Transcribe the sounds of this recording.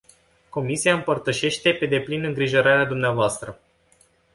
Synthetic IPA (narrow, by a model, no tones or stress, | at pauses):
ko̞misiaɨmpərt̪əʃe̞ʃt̪e̞pe̞d̪e̞plinɨŋɡɾiʒo̞ɾaɾead̪umneavoast̪ɾə